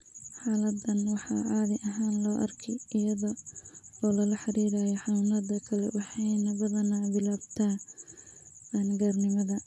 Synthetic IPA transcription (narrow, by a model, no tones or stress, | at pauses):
ħɑːlɐd̪ɐnwɑħɑ̰ːʕɑːðɪʔɐɦaːnlɔːʔɐrkʰɛjɪjɐðɔ | ɔːlɐlɐħɑɾiːɾaːjɔħɑnʊnɐd̪ɐkʰɐlɛ̰wɑħɑjnɐβɐðɐnabɪlaːbt̪ʰaː | nɡaːrnɪmɐðɐ